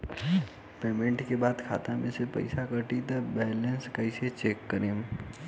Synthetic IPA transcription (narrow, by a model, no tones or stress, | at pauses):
peːmẽɳʈkebaːd̪kʰa̰ːt̪amẽsepɐ̰ɪsakəʈit̪ɐbɛːlə̃nskəɪset͡ʃeːkːəɾeːm